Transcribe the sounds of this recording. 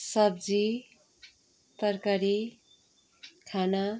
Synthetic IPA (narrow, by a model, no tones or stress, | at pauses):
sʌbd͡zi | t̪ʌrkaɾi | kʰana